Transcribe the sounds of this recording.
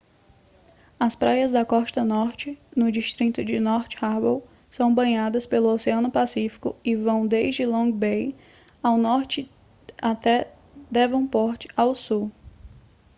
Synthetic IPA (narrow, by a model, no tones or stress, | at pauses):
ɐspɾajɐzd̪ɐkɔst̪ɐnɔɾt͡ʃɪnʊd͡ʒist̪ɾit̪ʊd͡ʒɪnɔɾt͡ʃɪ̥haɾbow | sɐ̃w̃bɐ̃ɲad̪ɐspelʊoseɐ̃nʊpasifi̥kʊ̰ɪvɐ̃w̃d̪ejʒd͡ʒɪlõɡbej | awnɔɾt͡ʃɪ | at̪ɛ | d̪ɛvɐ̃w̃pɔɾt͡ʃɪ̥awsu